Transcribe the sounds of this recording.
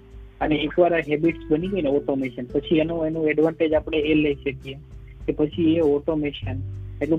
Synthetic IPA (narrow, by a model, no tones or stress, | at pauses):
əneːkʋaɾaɦɛbiʈsbəniɡojneɔʈomeʃənpət͡ʃʰienũenũɛɖʋãɳʈed͡ʒapɽ̃eeleiʃəkie | kepət͡ʃʰieɔʈomeʃəneʈlũ